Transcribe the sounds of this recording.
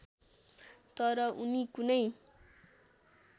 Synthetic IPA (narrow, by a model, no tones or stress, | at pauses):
t̪ʌɾʌʔunikunʌj